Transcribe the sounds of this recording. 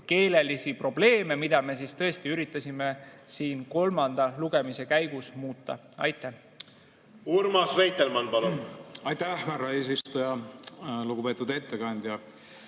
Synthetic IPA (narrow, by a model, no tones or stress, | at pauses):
ke̞ːle̞lisipro̞b̥le̞ːme̞mid̪̥ɑme̞s̬ist̪ɤ̞est̪iyɾit̪ːˑɑsʲime̞siːnko̞lmɑnd̪̥ɑluɡ̥e̞mise̞kæjɡ̥usmuːt̪ːɑ̰ | ɑ̰jt̪ːˑæh | urmɑsvejt̪ːˑelmɑnpɑlunɑjt̪æhhværɑe̞ːs̬ist̪ujɑ | luɡupe̞ːt̪ːud̪e̞t̪ːeɡɑnʲd̪̥jɑ